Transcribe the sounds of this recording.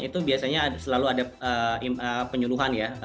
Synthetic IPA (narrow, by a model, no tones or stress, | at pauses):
it̪ubiasaɲasəlaluadaəiəpəɲuluɦanja